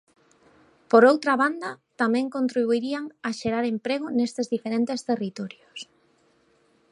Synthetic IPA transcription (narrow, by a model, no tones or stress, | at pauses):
poɾowt̪ɾaβand̪ɐt̪amɛ̃ŋkont̪ɾiβuiɾiaŋaʃeɾaɾempɾeɣ̞ʊnest̪ezðifeɾent̪est̪erit̪ɔɾjos